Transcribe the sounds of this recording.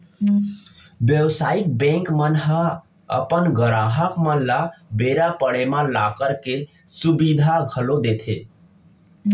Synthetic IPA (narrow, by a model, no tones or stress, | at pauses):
bjəwsaik̚bɛ̃ŋkmənɦə | ə̰pənɡəɾaɦəkmə̃labeɾapəɽemãlakəɾke | subid̪ʱaɡʱəlod̪et̪ʰḛ